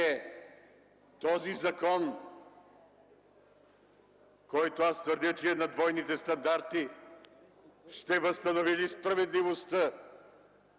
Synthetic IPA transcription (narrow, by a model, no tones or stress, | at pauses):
ɛ | t̪ɔzizɐkɔn | kɔjt̪oast̪vəɾd̪ʲət͡ʃɛɛnɐd̪vɔjnit̪ɛst̪ɐnd̪aɾt̪i | ʃt̪ɛvəst̪ɐnovilispɾɐvɛd̪livost̪ə